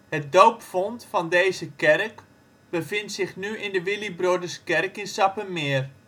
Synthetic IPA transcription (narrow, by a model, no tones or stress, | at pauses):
hət̚dowpfɔntfɑndejzəkɛrk | b̥əvɪntsɪχnyʔɪndəʋɪlibrodəskɛrkɪnsɑpəmɪər